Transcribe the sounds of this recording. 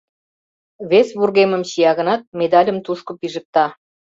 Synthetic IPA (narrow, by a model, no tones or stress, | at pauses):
βesβurɣemə̆mɕijɑɣənɑt̪̚med̪ɑlʲə̆mt̪uʃkŏpiʒə̆k̚t̪ɑ